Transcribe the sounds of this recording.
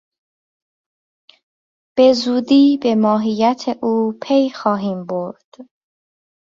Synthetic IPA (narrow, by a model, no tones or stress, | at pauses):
b̥e̞zuːd̪iːbe̞mɒːɦijæt̪ʰeʔuːpʰejxɒːɦiːmbo̞ɾd̪̥